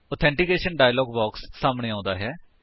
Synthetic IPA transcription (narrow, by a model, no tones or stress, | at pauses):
ɔːt̪ʰɛ̃ːɳʈikeːʃənɖaːjlɔːɡbɔːksːaːmɳeːãːnd̪aːɦɛː